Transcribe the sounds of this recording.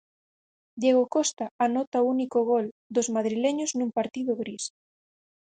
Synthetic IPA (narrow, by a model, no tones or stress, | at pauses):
d̪jeɣokɔst̪aanɔt̪aounikoɣold̪ozmaðɾileɲʊznũmpaɾt̪iðʊɣɾis